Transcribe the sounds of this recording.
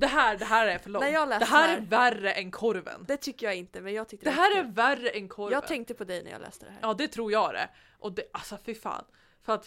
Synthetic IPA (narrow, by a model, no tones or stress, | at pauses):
d̪ɛɦæːɖɛɦæːɾæɾfœɭɔnæjɑːlɛːd̪ɛɦæːɾæɾværəʔɛnkʰɔɾvə̰nd̪ɛt̪ʰʏkːəjɑɡɪnt̪əmɛnjɑːɡt̪ʰʏk̚t̪əd̪ɛɦæːɾæɾværːəʔɛnkʰɔɾjɑːɡt̪ʰɛŋkt̪əpʰɔd̪ɛjnæ̰jɑ̰lɛ̰ːst̪əd̪ɛhæːɾjɑːd̪ɛt̪ʰɾuːɾjɑːɡd̪ɛ̰ | ʔɔd̪ɛʔasɔfɪfɑ̰ːn | fœɾat̪